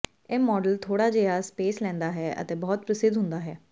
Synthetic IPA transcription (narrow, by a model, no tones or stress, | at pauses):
ɛːmɔːɖəlt̪ʰoːɽaːd͡ʒeːaːspeːslɛ̃ːnd̪aːɦɛːʔə̰t̪eːbɔːt̪̚pɾəsɪd̪ɦʊ̃nd̪aːɦɛː